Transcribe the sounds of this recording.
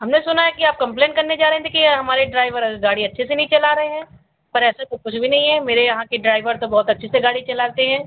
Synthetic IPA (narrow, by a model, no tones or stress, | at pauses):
ɦɐmnesʊnaɦɛkiaːp̚kɐ̃mpleːɳʈkɐɾned͡ʒaːɾɐɦɛ̃t̪d̪eːkʰieɦɐmaːɾeɖɾaːɪʋəɾɐɡaːɽiɐtːʃʰesenɐɦĩt͡ʃɐlaːɾɐɦeɦɛ̃ː | pɐɾɛːsekokʊt͡ʃʰbʱinɐɦĩɦɛ̃ːmeːɾejɐɦãkiɖɾaːɪʋəɾt̪obɐɦʊt̪ɐtːʃʰeseɡaːɽit͡ʃɐlaːt̪eɦɛ̃ː